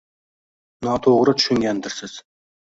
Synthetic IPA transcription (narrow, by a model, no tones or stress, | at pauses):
nɑt̪ʰoʁɾət̪ʰʊ̥ʃʏŋɡʲænd̪ɪɾsɪz̥